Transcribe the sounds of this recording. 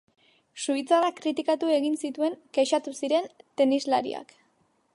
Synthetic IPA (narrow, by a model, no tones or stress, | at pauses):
suit͡sarakɾit̪ikat̪ue̞ɣinsit̪ue̞ŋkeʃat̪usiɾe̞nt̪e̞nizlaɾḭa̰k